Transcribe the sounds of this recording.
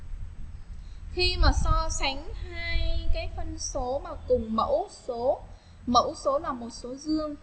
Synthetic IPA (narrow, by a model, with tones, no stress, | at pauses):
xi˧maː˨˩sɔ˧sa˨˦ŋ̟haː˧jkaː˨˦jfə˧nso˨˦maː˨˩t̪ʊ˨˩ŋ͡mmə̰˧˥wso˨˦ | mə̰˧˥wso˨˦laː˨˩mo˨˩t̚so˨˦zɨ˧əŋ